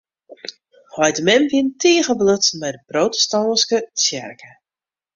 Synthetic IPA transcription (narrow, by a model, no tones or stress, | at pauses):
hɔjdəmɛmvintiːəɣəbløt͡smɛjdəprowtə̥stɔnskət͡sjɛ̰rkʰə